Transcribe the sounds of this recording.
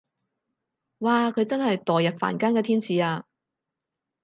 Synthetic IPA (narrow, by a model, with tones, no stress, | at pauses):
waː˨kʰɵ˨˧ɥt͡sɐ˥nhɐ˨jt̪ɔː˨˩jɐ˨p̚fa̰ː˨˩nkaː˥nkɛː˧t̪ʰiː˥nt͡siː˨˧aː˧